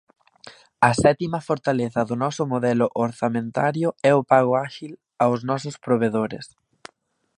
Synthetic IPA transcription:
ɐsɛt̪imɐfoɾt̪aleθɐðʊnɔsʊmoðɛlʊʔoɾθamẽnt̪aɾjʊɛʊpaɣʊaʃil | awznɔsʊspɾoβ̞eðoɾɪ̰s

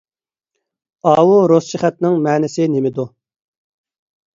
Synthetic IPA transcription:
ɑːwuɾosʃɪχɛt̪nɪŋmɛːnɪsɪnemɪd̪u

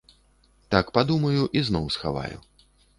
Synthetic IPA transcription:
t̪akpad̪umɐjuʔiznɔwsxa̰va̰jṵ

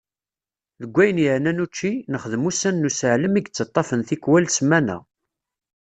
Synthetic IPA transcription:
ðəɡʷːæjənjəʕnænut͡ʃːinəχəðəmusænːusəʕləmiɡt͡sːɑt̪ˤːɑfənθikwælsmːænæ̰

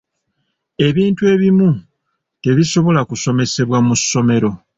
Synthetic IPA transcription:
e̞βiːntue̞ːβimu | te̞βiso̞βo̞lakuso̞me̞se̞βwamusːo̞me̞ɾo̞

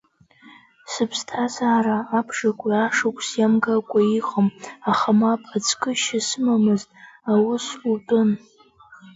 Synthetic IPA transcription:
sɨpʰstʰazaːɾaːpʰʂakʷʼaaʂakʷʰʼsjamɡakʷʼaiχomaχamapʼat͡sʰʼkʼɨʃasɨmamɨztʼawʊsultʼʊn

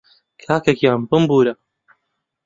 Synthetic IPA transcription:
kʰaːkɐkjaːnbɨmbuːɾɐ

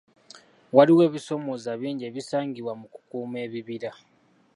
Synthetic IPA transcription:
waliwe̞ːβiso̞mo̞zaβiːɲɟe̞βisaːŋɡiβwamuku̥kuːme̞ːβiβiɾa

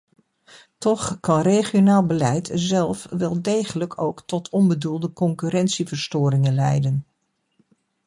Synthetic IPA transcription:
tɔχkɑnrejχionaːlˠbəlɛjtzɛlˠfʋɛlˠdejχələkʰo̰wktɔtʰɔnbədulˠdəkɔŋkyɾɛntsivəɹstʊːɾɪŋənlɛ̰jdən

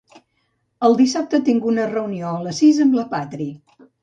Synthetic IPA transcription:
əlˠd̪isap̚t̪ət̪iŋɡunərəunioələsizəmbləpat̪ɾi

